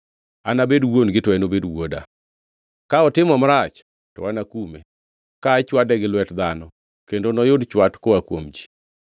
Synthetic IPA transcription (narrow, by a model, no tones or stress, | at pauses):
anabedwonɡɪtɔɛnobedwoda̰ | kaɔtɪmɔmɾat͡ʃ | tɔ̰wanakume | kat͡ʃwadɛɡɪlwɛtd̪anɔ | kendonɔjodt͡ʃwatkoakwomd͡ʒi̥